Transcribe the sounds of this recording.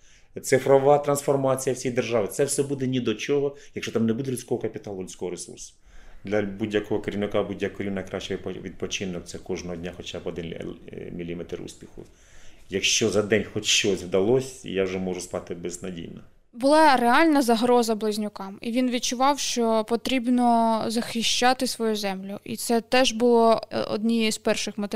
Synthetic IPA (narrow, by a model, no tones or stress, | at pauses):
t̪sɪfɾɔʋɑt̪ɾɐnsfɔrmɑt͡sʲijɐwsʲijd̪erʒɑʋɪt̪sɛwsɛbud̪ɛnʲid̪ɔt͡ʃɔɦɔjɐkʃt͡ʃɔt̪amnɛbud̪ɛlʲʊsʲkɔɦɔkɐpʲit̪ɑlˠʊlʲʊsʲkɔɦɔɾesṵrsʊ̥ | d̪lʲɐbudʲjɐkɔɦɔkɐɾʲiʋnɪkabudʲjɐkɔɾʲiwnɐkɾɑʃt͡ʃɛʋʋʲid̪̚pɔt͡ʃɪnɔkt̪sɛkɔʒnɔɦɔdʲnʲaxɔt͡ʃabɔd̪ɪn̰ʲmʲilʲimɛt̪rṵsʲpʲixʊ̰ | jɐkʃt͡ʃɔzɐd̪ɛnʲxɔt͡ʃʃt͡ʃɔsʲwd̪ɐlˠɔsʲḭjawʒɛmɔʒʊspɑt̪ɪbɛznɐdʲḭjnɐ | bʊlˠɑɾeɑlʲnɐzɐɦɾɔzɐblˠɪzʲnʲʊkɑmiʋʲinʋʲid̚t͡ʃʊʋɑwʃt͡ʃɔpɔt̪ɾʲibnɔzɐxɪʃt͡ʃɑt̪ɪsʋɔjuzɛmlʲʊʔḭt̪sɛt̪ɛʒbʊlˠɔɔ̰d̪ʲnʲijizpɛrʃɪxmɐt̪